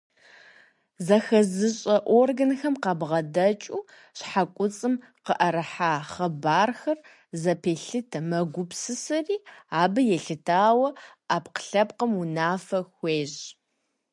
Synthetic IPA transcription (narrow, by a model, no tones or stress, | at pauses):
zɐxɐzɨɕʼɐʔorɡɐnxɐmqɑːbʁɐdɐt͡ʃʼuː | ɕħakʷʼʊt͡sʼɨm | qəʔɐɾɐħaːχɐbaːrxɐr | zɐpʰeːɬɨtʰɐmɐɡʷʊpsɨsɐriːaːbɨjɛɬɨtʰaːwɐaːpqə̥ɬɐpqəmunaːfɐxʷeːʑ